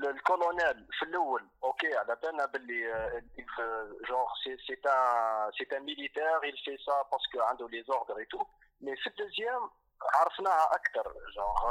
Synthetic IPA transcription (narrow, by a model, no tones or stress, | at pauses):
lkolonɛlfilʔæwːəlʔokeʕlæbənæbəlːiilʒɑ̃ʁseset̪ɛ̃set̪ɛ̃milit̪ɛʁilfesapɑʁsə̥kəʕənd̪ulezɔʁd̪ɾet̪u | mɛfild̪əzjɛm | ʕɑɾˤəfnæhæʔækt̪ɑɾˤʒɑ̃ʁ